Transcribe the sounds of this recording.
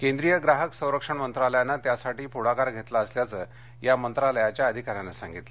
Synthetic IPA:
kẽnd̪ɾijəɡɾaɦəksə̃w̃ɾəkʂəɳmənt̪ɾaləjanːat̪jasaʈiːpuɽakaɾɡʱet̪laəsljat͡sə | jamənt̪ɾaləjat͡ɕjaəd̪ʱikaɾjanasãŋɡit̪lə

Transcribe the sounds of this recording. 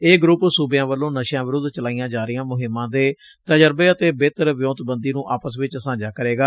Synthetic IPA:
eːɡɾʊpsuːbjãːʋəlːõːnəʃjãːʋɪɾʊd̪t͡ʃəlaːiːjãːd͡ʒaːɾɪjãːmʊɦɪmːãːd̪eː | t̪əd͡ʒəɾbeːət̪eːbeːt̪əɾʋɪjõːt̪bənd̪iːnũːʔaːpəsʋɪt͡ʃəsãːd͡ʒaːkəɾeːɡaː

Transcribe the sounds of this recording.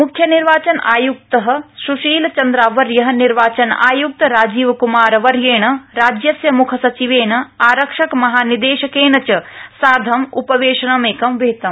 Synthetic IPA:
mukʰːjɐniɾʋaːt͡ʃɐnʔa̰ːjuk̚t̪ɐɦɐ̆suʃiːlt͡ʃɐnd̪ɾaːʋɐɾjɐɦɐ̆niɾʋaːt͡ʃɐna̰ːjuk̚t̪ɐɾaːd͡ʒiːʋkumaːɾʋɐɾjeːɳɐ̆ɾaːd͡ʒjɐsjɐmukʰɐsɐt͡ʃiʋeːɳɐ̆aːɾɐkʂɐkmɐɦaːnid̪eːʃɐkeːnɐt͡ʃɐsaːd̪ʱɐmṵpɐʋeːʃɐɳɐmeːkɐmʋeɦt̪ɐm

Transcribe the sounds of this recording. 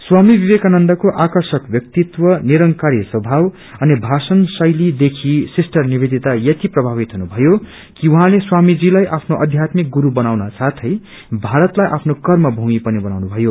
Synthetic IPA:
swamibibekanʌnd̪ʌkoʔakʌrsʌkbjʌk̚t̪it̪wʌniɾʌŋkaɾiswʌbʱaw | ʌnibʱasʌnsʌjlid̪ekʰisisʈʌrniβed̪it̪ajʌt̪iprʌbʱaβit̪ɦunubʱʌjo | kiuɦãleswamid͡zilajʔapʰnoʔʌd̪ʱjat̪mik̚ɡuɾubʌnawnasat̪ʰʌj | bʱaɾʌt̪lajʔa̰pʰnokʌrmʌbʱuŋipʌnibʌnawnubʱʌjo

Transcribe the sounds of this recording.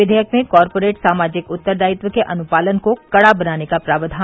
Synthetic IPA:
ɪd̪ʱəjəkmẽkɔːɾpoːɾeːʈsaːmaːd͡ʒɪkʊt̪ːəɾd̪aːjɪt̪ʋwəkeʔɐnʊpaːlənkokɐɽabɐnaːnekapɾaːbəd̪ʱaː

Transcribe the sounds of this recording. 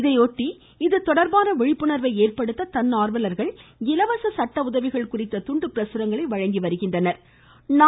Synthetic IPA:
ɪðɐɪoːʈːi | ɪðɯt̪ɔɽɐɾbaːnɐʋɛɻɪpːɯɳɐɾʋɐɪeːrpɐɽɯt̪ːɐt̪ɐnːaːɾʋɐlɐɾɣɐɭɡɪlɐʋɐsɐsɐʈːɐʊðɐʋɪɣɐɭkʊrɪt̪ːɐt̪ʊɳɖɯpɪɾɐsɯɾɐŋɡɐɭɐɪʋɐɻɐŋɡiʋɐɾɯɣɪndrɐnɐɾ | na

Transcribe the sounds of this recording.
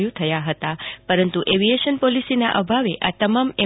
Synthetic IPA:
jũt̪ʰəjaɦət̪apəɾənt̪uʔeʋieʃənpɔlisina̰ʔə̰bʱaʋeʔa̰t̪əmame

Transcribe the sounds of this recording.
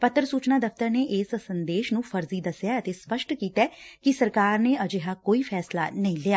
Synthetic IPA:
pət̪ːəɾəsuːt͡ʃnaːd̪əfʰt̪əɾneːʔɪssənd̪eːʃnũːpʰəɾziːd̪əsjaːət̪eːspəʃʈkiːt̪ɛːkɪsəɾkaːɾneːəd͡ʒeɦaːkoːiːpʰɛːsla̰ːnəĩːleːaː

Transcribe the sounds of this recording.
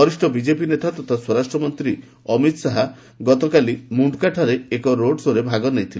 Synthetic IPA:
ɔɾisʈɔbid͡ʒepinet̪at̪ɔt̪ʰaswɔɾasʈɾɔmɔnt̪ɾi | ɔmit̪saɦa | ɡɔt̪ɔkalimuɳɖkaʈʰaɾeekɔɾoɽsoɾebʱaɡɔnejt̪ʰile

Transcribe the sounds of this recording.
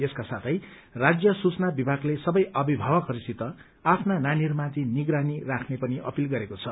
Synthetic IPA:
eskasat̪ʰʌj | rad͡zjʌsut͡snabibʱaɡlesʌbʌjʌbibʱawʌkʌɾisit̪ʌ | apʰnananirmãt̪iniɡɾanirakʰnepʌniʔʌ̰pilɡʌɾekot͡sʰʌ

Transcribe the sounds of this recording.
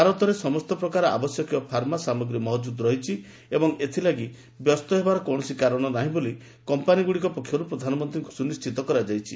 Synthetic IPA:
aɾɔt̪ɔɾesɔmɔst̪ɔpɾɔkaɾɔa̰bɔsjɔkiɔpʰaɾmasamɔɡɾimɔɦd͡ʒud̪ɾɔɦit͡ʃʰi | ebɔŋet̪ʰilaɡi | bjɔst̪ɔɦebaɾɔkɔɽ̃ɔsikaɾɔɽ̃ɔnaɦĩboli | kɔmpaniɡuɽikɔpɔkʰːjɔɾupɾɔd̪ʱanɔmɔnt̪ɾiŋkusunist͡ʃʰit̪ɔkɔɾad͡ʒajt͡ʃʰi

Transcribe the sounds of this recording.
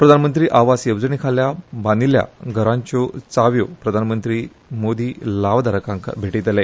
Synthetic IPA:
pɾəd̪ʱanmənt̪ɾiːʔaʋasjeʋd͡zəɳikʰaljabanilja̰ɡʱəɾãɲt͡ɕot͡saʋjopɾəd̪ʱanmənt̪ɾiː | mod̪ʱiːlaʋd̪ʱaɾəkãŋkʰbʱeʈit̪le

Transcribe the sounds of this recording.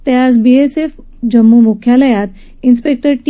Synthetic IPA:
t̪jad͡zbiesef | d͡ʑəmːumukʰjaləjat̪ | inspek̚ʈəɾʈ

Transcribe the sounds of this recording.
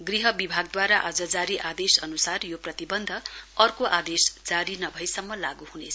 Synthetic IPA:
ɡriɦʌbibʱaɡd̪waɾaʔad͡zʌd͡zaɾiʔad̪esʌnusarjoprʌt̪ibʌnd̪ʱʌʌrkoʔad̪esd͡zaɾinʌbʱʌjsʌmːʌlaɡuhunet͡sʰ

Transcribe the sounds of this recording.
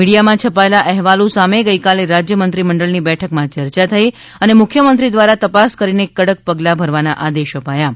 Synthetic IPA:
miɽijamãt͡ʃʰəpaelaʔɛɦʋalõsameɡəikaleɾad͡ʒjəmənt̪ɾiməɳɖəɭnibɛʈʰəkmãt͡ʃəɾt͡ʃat̪ʰəi | ənemʊkʰjəmənt̪ɾid̪ʋaɾat̪əpaskəɾinekːəɽək̚pəɡlabʱəɾʋanaʔad̪eʃəpaja

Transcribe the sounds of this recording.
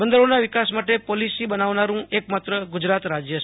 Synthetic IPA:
bənd̪əɾonaʋɪkasmaʈepolisibənaʋnaɾũekmat̪ɾəɡʊd͡ʒɾat̪ɾad͡ʒjəʃ

